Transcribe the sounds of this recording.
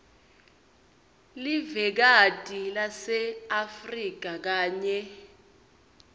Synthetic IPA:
livɛk̬atʼilasɛafrik̬ak̬aːɲɛ

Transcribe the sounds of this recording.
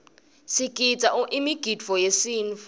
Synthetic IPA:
sikʼit͡sʼaʔʔimiɡ̥ʱidvɔjesiːnf

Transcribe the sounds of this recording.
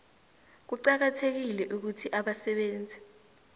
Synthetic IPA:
k̬uǃak̬atʰek̬ilɛʔuk̬utʰiʔaɓasɛɓeːnd͡zʱi

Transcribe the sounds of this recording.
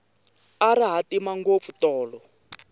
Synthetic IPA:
aɾiɦatimaŋɡop̪futɔːlɔ

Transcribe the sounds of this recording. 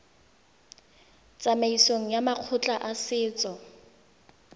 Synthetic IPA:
t͡sʼameisoŋ̩jamaq͡χʰʊt͡ɬʼaʔasɪːt͡sʼɔ

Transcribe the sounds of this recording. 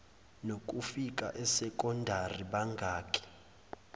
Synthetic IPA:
nokʼufik̬ʼa̰ʔɛsɛkʼɔndʱariɓaŋɡʱaːkʰʼɛ̥

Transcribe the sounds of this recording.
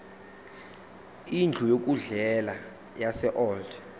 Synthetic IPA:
ind͡ɮʱujok̬ʼuɮɛla | jasɛʔɔld

